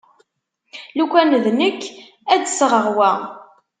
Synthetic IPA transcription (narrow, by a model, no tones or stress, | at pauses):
lukʷːænðnəkː | æd̪səʁəʁwæ